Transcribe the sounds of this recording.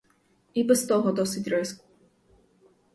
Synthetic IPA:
ibɛst̪ɔɦɔd̪ɔsɪtʲɾɛsku

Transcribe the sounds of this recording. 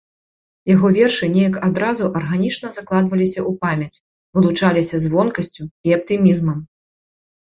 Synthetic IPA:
jaɣɔvʲɛrʂɨnʲɛjɐkad̪ɾazuʔɐrɣanʲit͡ʂnɐzaklˠad̪vɐlʲisʲɐʔupamʲjɐt͡sʲ | vɨlˠut͡ʂalʲisʲɐzvɔnkɐsʲt͡sʲuiɐp̚t̪ɨmʲizmɐm

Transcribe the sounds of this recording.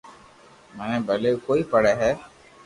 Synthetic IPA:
mɛnɛ̃bʱəlekoːipəɽɛɦɛː

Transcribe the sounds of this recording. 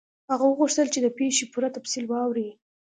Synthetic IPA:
haɣawəɣuʂt̪əlt͡ʃed̪əpeʃepuɾat̪absilwɑwɾi

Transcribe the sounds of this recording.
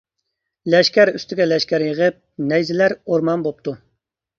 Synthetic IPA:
lɛʃkʲæɾyst̪ɪɡʲɛlɛʃkʲæɾjəʁəp̚nɛjzɪlæɾoɾmɑnbop̚t̪ʰu

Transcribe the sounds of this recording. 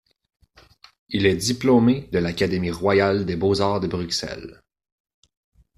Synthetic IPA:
ilɛd̪iplomed̪əlakad̪emiʁwajald̪ebozaːʁd̪əbʁyksɛ̰l

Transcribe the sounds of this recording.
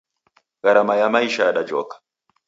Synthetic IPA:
ɣaɾamajamaiʃaɗad͡ʒɔ̰kḁ

